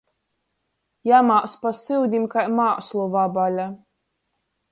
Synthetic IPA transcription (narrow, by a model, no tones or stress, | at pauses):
jamaːspasɨwd̪ʲimkajmaːslˠuvabalʲa